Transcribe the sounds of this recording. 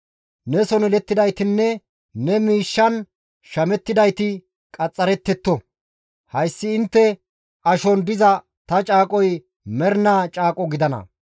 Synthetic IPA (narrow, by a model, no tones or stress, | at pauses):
nɛsɔnɛlɛt̪ːɪd̪ɐjt̪ɪnːɛ | nɛmiːʃːɐn | ʃɐmɛt̪ːɪd̪ɐjt̪ɪ | kʼɐt͡sʼːɐɾɛt̪ːɛt̪ːɔ | hɐjsːɪɪnt̪ːɛ | ʔɐʃɔnd̪ɪzɐ | t̪ɐt͡ʃʼaːkʼɔj | mɛɾnaːt͡ʃʼaːkʼɔɡɪd̪ɐnɐ̰